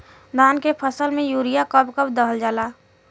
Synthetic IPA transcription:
d̪ʱaːnkepʰəsəlmẽjuːɾijakəbkəbd̪əɦəld͡ʒaːlaː

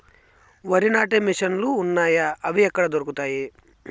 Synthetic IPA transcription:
ʋɐɾinaːʈemiʂɐnluːnːaːjɐɐʋiɛkːɐɽɐd̪oɾukut̪aːji

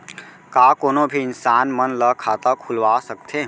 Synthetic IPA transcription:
kakoːnobʱiɪnsaːnmənləkʰaːt̪akʰʊlʋasəkt̪ʰe

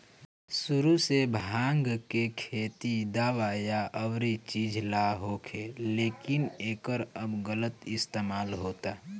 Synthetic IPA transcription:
sʊɾusebʱãːŋɡkekʰeːt̪id̪aːʋajaəwɾet͡ʃiːd͡ʒʱlaɦoːkʰeleːkɪneːkəɾəbɡələt̪ɪst̪eːmaːlɦoːt̪aː

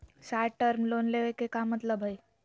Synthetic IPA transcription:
saːʈəɾmloːnleʋekekamət̪ləbʱəj

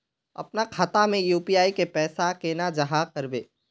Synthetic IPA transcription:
ɐ̰pnakʰaːt̪amẽjuːpiaːikepɛːsakeːnad͡ʒɐɦakɐɾbḛː

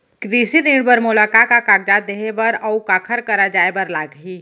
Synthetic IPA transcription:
kɾiːsiɾĩːɽbəɾmʊlaːkakakaːɡ̚d͡ʒaːt̪̚d̪eːɦebɐɾɔukaːkʰəɾkəɾad͡ʒaːebɐɾlaːɡɦiː

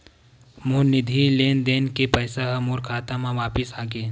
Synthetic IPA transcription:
moːnɪd̪ʱileːnd̪eːnkepəːsaɦɐmuːɾkʰaːt̪amãʋaːpɪsaːɡeː

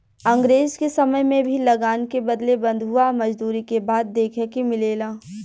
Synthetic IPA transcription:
ɐ̃ŋɡɾeːzkesɐməjmẽbʱilɐɡaːnkebɐd̪lebɐ̃nd̪ʱɦuamɐd͡ʒd̪uːɾikebaːd̪ːeːkʰɛkimɪleːlaː

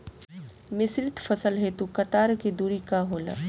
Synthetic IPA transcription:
mɪsɾɪt̪fɐsəlɦet̪ukɐt̪aːɾkid̪uːɾikaɦoːla̰ː

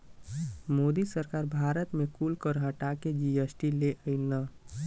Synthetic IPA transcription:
mod̪isəɾkaɾbʱaɾət̪mekulkəɾɦəʈaked͡ʒiesʈileʔəɪnə

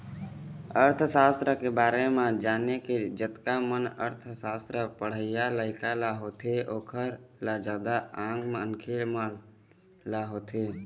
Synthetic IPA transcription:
əɾt̪ʰsaːst̪ɾəkebaːɾemãd͡ʒaːneked͡ʒət̪kamənəɾt̪ʰsaːst̪ɾəpəɽ̤əɪjaləɪkalaɦoːt̪ʰeoːkʰəɾlad͡ʒaːd̪aãːŋɡmnkʰeːlmən | laɦoːt̪ʰeː

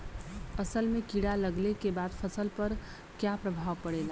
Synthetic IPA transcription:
əsəlmẽkiɽaləɡlekebaːd̪pʰəsəlpəɾ | kjapɾəbʱaːʋpəɽeːla

